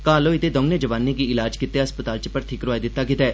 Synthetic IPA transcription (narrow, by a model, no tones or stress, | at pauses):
kaːloːɪt̪eːd̪ɔ̃ŋneːd͡ʒəʋaːnːẽɡiɪlaːd͡ʒkɪt̪ːeɦəspət̪aːlt͡ʃəpəɾt̪ʰɪkɾʊaːid̪ɪt̪ːaːkɪt̪ɛː